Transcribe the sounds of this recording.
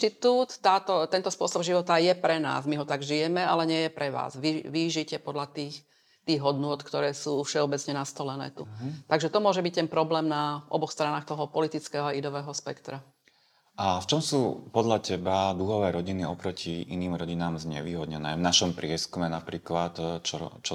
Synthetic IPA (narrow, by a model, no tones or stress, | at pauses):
t̪it̪uːt̪ːaːt̪ɔt̪ɛnt̪ɔspʊɔsɔbʒiʋɔt̪ajɛpɾɛna̰ːzmiɦɔt̪aɡʒijɛmɛalɛɲɪɛjɛpɾɛʋa̰ːzʋiʋiʒicɛpɔd̪ʎat̪iːx | t̪iːɣɦɔd̪nʊɔt̪kt̪ɔɾɛːsuːfʃɛɔbɛt͡sɲɛnast̪ɔlɛnɛ̰ːt̪ut̪aɡʒɛt̪ɔmʊɔʒɛbic̚t̪ɛnpɾɔblɛːmnaʔɔ̰bɔxst̪ɾanaːxt̪ɔɦɔpɔlit̪it͡skɛːɦɔaid̪ɔʋɛːɦɔspɛkt̪ɾa | aft͡ʃɔmsuːpɔd̪ʎacɛbad̪uɦɔʋɛːɾɔɟiniɔpɾɔcʰiʔḭniːmɾɔɟinaːmzɲɛ̰ʋiːɦɔd̪ɲɛnɛ̰ːvnaʃɔmpɾɪɛskumɛnapɾiːklat̪t͡ʃɔ̰t͡ʃɔ